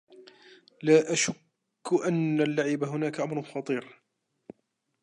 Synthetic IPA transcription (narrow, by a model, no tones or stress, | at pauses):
laːʔaʃʊkː | ʊʔanːalːaʕɪbaɦʊnaːkaʔamɾˤʊnxɑt̪ˤiːɾ